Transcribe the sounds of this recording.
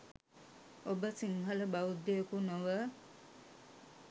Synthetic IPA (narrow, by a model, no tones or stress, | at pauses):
obəsiŋɦələbawud̪ːejəkunoʋə